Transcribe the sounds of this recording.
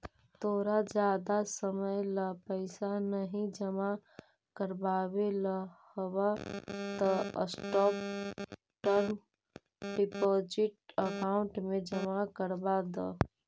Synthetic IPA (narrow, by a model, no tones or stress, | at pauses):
t̪oːɾad͡ʒjad̪asəməjləpəɪsanəɦĩd͡ʒəma | kəɾbabeləhəbat̪əə̰sʈɔp | ʈəɾm | ɖipod͡ʒiʈəkaʊɳʈmed͡ʒəmakəɾbad̪ɔ